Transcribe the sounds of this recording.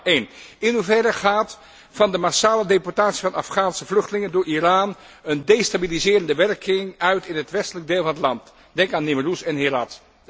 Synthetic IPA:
ejnɪnɦuvɛdəχaːt | fɑndəmasaːlədepɔɹtaːtsivɑnɑ̰fχaːnsəvlɵχtlɪŋəndʊːɹʔiraːn | əndejstabilizɪːrəndəʋɛrkɪŋœɥtɪnɦətʋɛstələɡ̚deːlˠvɑnətlɑnt | d̥ɛŋkaːnːɪmərusɛnɦɪrɑt

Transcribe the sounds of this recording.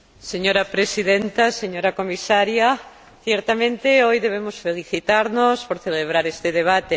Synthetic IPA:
seɲoɾapɾesiðent̪aseɲoɾakomisaɾja | θjɛɾt̪amẽnt̪eojðeβ̞emosfeliθit̪aɾnospoɾθeleβ̞ɾaɾest̪eðeβ̞at̪e

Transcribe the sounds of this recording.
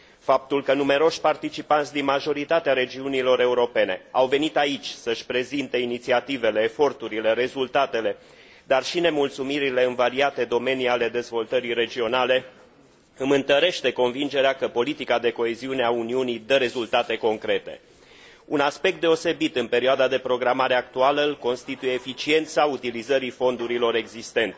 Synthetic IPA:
fap̚t̪ulkənume̞ɾo̞ʃʲpart̪it͡ʃipant̪sʲd̪inmaʒo̞ɾit̪at̪eaɾe̞d͡ʒiunilo̞ɾe̞uɾo̞pe̞ne̞̰awve̞nit̪ait͡ʃʲsəʃʲpɾe̞zint̪e̞init̪siat̪ive̞le̞ːfo̞rt̪uɾile̞ɾe̞zult̪at̪e̞le̞ | d̪arʃine̞mult̪sumiɾile̞ɨnvaɾiat̪e̞d̪o̞me̞niale̞d̪e̞zvo̞lt̪əɾiɾe̞d͡ʒio̞nale̞ | ɨmɨnt̪əɾe̞ʃt̪e̞ko̞nvind͡ʒe̞ɾeakəpo̞lit̪ikad̪e̞ko̞eziune̞auniunid̪əɾe̞zult̪at̪e̞ko̞ŋkɾe̞t̪e̞̰ | unaspe̞k̚t̪d̪e̞o̞se̞bit̪ɨnpe̞ɾioad̪ad̪e̞pɾo̞ɡɾamaɾe̞ak̚t̪ualəɨlko̞nst̪it̪uje̞ːfit͡ʃie̞nt̪saut̪ilizəɾifo̞nd̪uɾilo̞ɾe̞ɡzist̪e̞nt̪e

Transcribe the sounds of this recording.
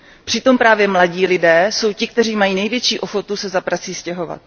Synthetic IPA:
pr̝̥ɪt̪o̞mpɾaːvjɛmlaɟiːlɪdɛːso̞wcɪk̚t̪ɛr̝iːmajiːnɛjvjɛt͡ʃiːʔo̞xo̞t̪usɛzapɾat͡siːscɛɦo̞va̰t̪̚

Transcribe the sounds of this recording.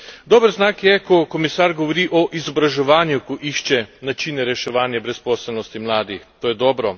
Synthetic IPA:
d̪ɔːbəɾznaːkjɛkɔkɔmisaːɾɡɔʋɔɾiʔɔʔizɔbɾaʒɛʋaːnjukɔʔiʃt͡ʃɛnat͡ʃiːnɛɾɛʃɛʋaːnjabɾɛspɔːsɛlnɔst̪imlaːd̪ixt̪oːjɛd̪ɔːbɾɔ

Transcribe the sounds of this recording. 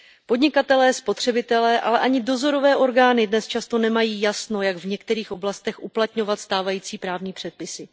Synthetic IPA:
po̞dɲɪkat̪ɛlɛːspo̞t̪r̝̥ɛbɪt̪ɛlɛːʔa̰lɛʔaɲɪdo̞zo̞ɾo̞vɛːʔo̞ɾɡaːnɪdnɛst͡ʃast̪o̞nɛmajiːjasno̞jaɡvɲɛkt̪ɛɾiːxʔo̞blast̪ɛxʔuplat̪ɲo̞vat̪st̪aːvajiːt͡siːpɾaːvɲiːpr̥ɛt̪̚pɪsɪ

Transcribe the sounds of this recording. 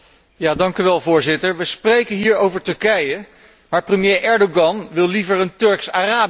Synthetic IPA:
jaːdɑŋkyʋɛlˠvʊːɹzɪtəɹʋəsprejkənɦiːɹowvəɹtɵɹkɛjə | maːɹprəmjejʔɛɹdoɡɑnʋɪlˠlivəɹəntɵɹksaːraːb

